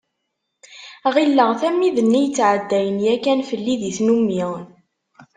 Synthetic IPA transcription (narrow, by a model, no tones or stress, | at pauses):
ʁilːəʁθæmːiðənːijət͡sːʕəd̪ːæjənjækænfəlːiðiθnumːiʁn